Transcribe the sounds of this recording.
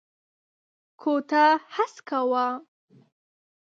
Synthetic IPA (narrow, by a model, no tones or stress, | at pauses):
kʰot̪ahaskawa